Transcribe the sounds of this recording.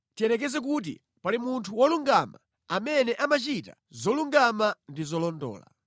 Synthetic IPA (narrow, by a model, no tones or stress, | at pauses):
tiɛnɛk̬ɛzɛk̬ut̬ḭ | palimuntʰuwɔluŋɡama̰ | amɛnɛʔamat͡ʃita̰ | zɔluŋɡamandizɔlɔndɔ̰ːla̰